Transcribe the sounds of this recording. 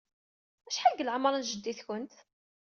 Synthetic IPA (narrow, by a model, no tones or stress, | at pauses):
æʃħaɡəlʕmɾˤənʒəd̪ːiθçənt̪